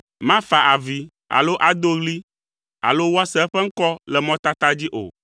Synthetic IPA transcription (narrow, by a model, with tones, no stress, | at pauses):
mã˦fa˨ʔa˨vi˨ | a̰˨lo˦ʔa˨d̪o˦ɣli˦ | a̰˨lo˦wo˦a˦sɛ˦ɛ˦ɸɛ˦ŋ̩˦kɔ˦lɛ˨mɔ̃˦t̪a˦t̪a˦d͡ʑi˦ʔo̰˨